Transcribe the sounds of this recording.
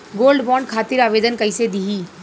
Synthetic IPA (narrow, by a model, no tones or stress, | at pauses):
ɡoːlɖbɔːɳɖkʰaːt̪ɪɾaːʋeːd̪ənkɐised̪iɦiː